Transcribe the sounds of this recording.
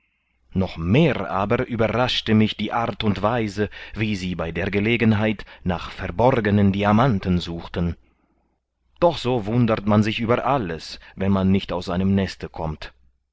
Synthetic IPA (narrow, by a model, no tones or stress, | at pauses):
nɔχmeːʁʔa̰ːbɐɐʔyːbɐʁaʃtəmɪçd̥iːʔaɐtʊntv̥aɪzəviːziːbaɪdeːɐɡəleːɡənɦaɪtnaːχfɛɐbɔʁɡənəndiamantn̩zuːxtən̩ | d̥ɔχz̥oːvʊndətmanzɪçʔyːbɐʔaləsvɛnmanːɪçtaʊsz̥aɪnəmnɛstəkʰɔmt